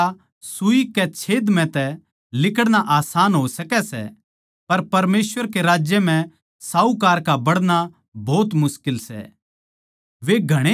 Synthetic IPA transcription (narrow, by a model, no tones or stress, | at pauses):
a | sʊikɛt͡ʃʰeːd̪m̤ɛ̃t̪ɛ | lɪkəɽñaʔaːsaːnɦosɐkɛsɛ̰ | pɐɾpɐɾmeːsʋəɾkeɾaːd͡ʒjəm̤ɛ̃ | saːukaːɾkabɐɽña | bʱɔːt̪mʊskɪlsɛ̰ | ʋeɡʱɐɽ̃e